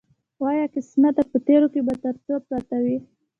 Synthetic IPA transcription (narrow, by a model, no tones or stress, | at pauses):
wɑjɑkɪsmat̪apət̪eɾokebat̪əɾt͡səpɾɑt̪awi